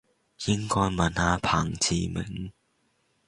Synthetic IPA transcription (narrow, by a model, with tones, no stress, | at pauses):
jɪ˥ŋkɔː˥jmɐ˨nhaː˨˧pʰaː˨˩ŋt͡sʰiː˨mɪ̰˨˩ŋ